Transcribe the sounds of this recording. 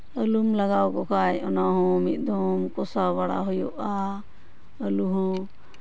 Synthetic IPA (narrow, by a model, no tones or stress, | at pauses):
əlumlaɡawkɔkʰajɔnaɦɔ̃mit̪̚d̪ʱɔmkɔsaβaɽa̰ɦɔjɔʔa | əluɦɔ̃